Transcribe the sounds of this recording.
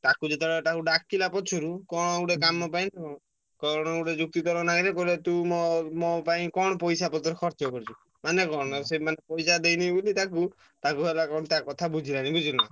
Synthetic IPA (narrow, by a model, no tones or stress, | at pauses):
t̪akud͡ʒet̪ɔɽɔt̪akuɖakːilapɔt͡ʃʰɔɾukɔɽ̃uɽekamɔpaĩnakɔ | kɔɽ̃ɔuɽed͡ʒuk̚t̪it̪ɔɾɔnaiɾekɔɾilet̪umɔmɔpaĩkɔɽ̃ɔpɔjsapɔt̪ʰɔɾukʰɔɾt͡ʃɔkɔɾt͡ʃʰu | manekɔɽ̃ɔsemanepɔjsad̪ejnibulit̪ak̬u | t̪akuɦelakɔɽ̃t̪akɔt̪ʰabud͡ʒʱiɾanibud͡ʒuna̰